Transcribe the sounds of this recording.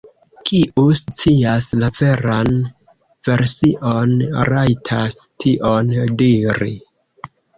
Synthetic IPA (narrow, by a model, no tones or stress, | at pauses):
kʰiʔust͡siaslave̞ɾan | ve̞ɾsiʔo̞nɾajtʰastʰiʔo̞ndiɾḭ